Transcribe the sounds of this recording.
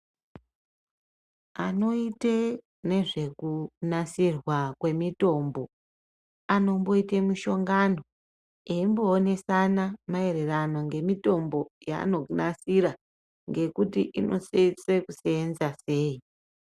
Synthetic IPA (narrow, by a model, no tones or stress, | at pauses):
ano̞ite | ne̞ʐe̞kunasirwakwe̞mito̞mbo | ano̞mbo̞itemuʃo̞ŋɡano̞ | eimbo̞ːne̞sanamae̞ɾe̞rano̞ŋɡe̞mito̞mbo̞ja̰ːno̞unasiɾa | ŋɡe̞kutḭʔinʔo̞̰set͡sekuseːnzase̞ːi